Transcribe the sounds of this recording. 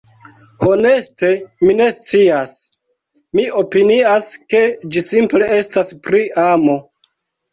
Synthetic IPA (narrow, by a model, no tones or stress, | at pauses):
ho̞ne̞ste̞mine̞st͡sias | miʔo̞piniaske̞d͡ʒisimple̞e̞staspɾiamo̞